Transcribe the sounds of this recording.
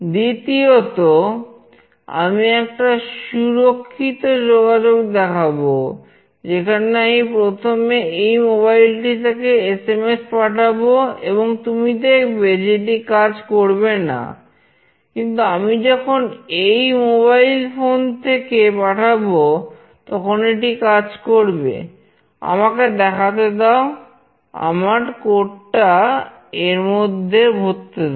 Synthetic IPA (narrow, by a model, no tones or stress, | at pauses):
d̪it̪iot̪o | a̰miɛkʈaʃuɾokʰːit̪od͡ʑoɡad͡ʑoɡd̪ɛkʰabo | d͡ʑekʰaneamipɾot̪ʰomeejmoβailʈit̪akeesemespaʈʰaboeboŋt̪umid̪ekʰbed͡ʑeʈ̬ikad͡ʑkoɾbena̰ | kint̪̬uamid͡ʑɔkʰonejmoβailfont̪ʰekepaʈʰabo | t̪ɔkʰoneʈikad͡ʑkoɾbḛ | a̰maked̪ɛkʰat̪̬ed̪ɛo | a̰maɾkoʈʈa | eɾmod̪ʱːebʱott̪ːe